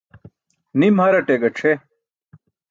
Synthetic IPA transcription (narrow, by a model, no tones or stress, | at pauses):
nimhɐɾɐʈeɡɐʈ͡ʂʰe